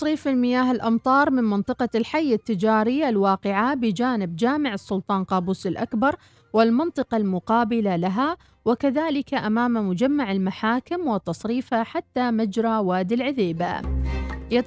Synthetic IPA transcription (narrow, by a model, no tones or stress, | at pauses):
ɑsˤɾiːfɪlmɪjaːɦɪlʔɑmt̪ˤɑːɾˤmɪnmɪnt̪ˤɨqɑlħajːat̪ːɪd͡ʒaːɾɪjːalwɑːqɪʕabɪd͡ʒaːnɪbd͡ʒaːmɪʕɨsːʊlt̪ˤɑːnqɑːbuːsɪlʔakbɑɾˤ | wɪlmɑnt̪ˤɨqɑlmʊqɑːbɪlalaɦa | wɪkaðaːlɪkaʔamaːmmʊd͡ʒamːaʕɪlmaħaːkɪmwɪt̪ːɑsˤɾiːfhaħat̪ːamad͡ʒɾˤɑwaːd̪ɪlʕɪðiːba̰ | ɪ